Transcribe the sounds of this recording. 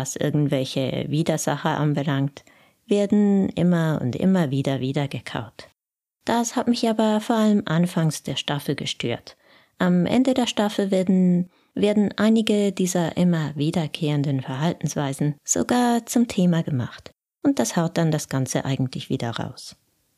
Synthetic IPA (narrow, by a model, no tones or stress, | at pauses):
asʔɪ̰ɐɡŋ̩tv̥ɛlçə̰viːdɐz̥a̰χəʔa̰nbəlaŋkt | v̥eːɐdn̩ʔɪ̰mɐʊ̰ntʔɪ̰mɐviːdɐviːdɐɡəkʰa̰ʊt | d̥ashatmɪçʔaːbɐfoːɐʔaləmʔanfaŋsd̥eːɐʃtafl̩ɡəʃtʰø̰ːɐt | ʔamʔɛ̰ndədeːɐʃtafl̩ | veːɐdn̩ʔaɪnɪɡədiːzɐʔɪmɐviːdɐkʰeːʁəndənfɛɐɦaltn̩sv̥aɪzn̩z̥o̰ɡaːɐt͡sʊmtʰeːmaɡəma̰χt | ʔʊnt̚d̥ashaʊt̚d̥and̥asɡ̥ant͡səʔa̰ɪɡŋ̩tʰlɪçv̥ḭːdɐʁa̰ʊs